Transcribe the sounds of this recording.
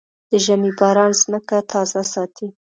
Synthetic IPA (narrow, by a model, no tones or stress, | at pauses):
d̪̥əʒamibɑɾɑnzməkat̪ʰɑzasɑt̪ʰi